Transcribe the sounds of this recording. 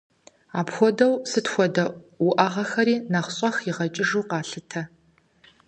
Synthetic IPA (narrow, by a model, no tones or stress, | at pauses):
aːpxʷɔdɐwsɨtxʷɔdɐwʊʔɐʁɐxɐɾiːnɐχɕʼɐxiʁɐt͡ʃʼɪʐuːqɑːɬɨtʰɐ